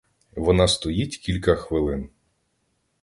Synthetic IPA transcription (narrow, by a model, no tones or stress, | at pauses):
ʋɔnɑst̪ɔjitʲkʲilʲkɐxʋɪlˠɪn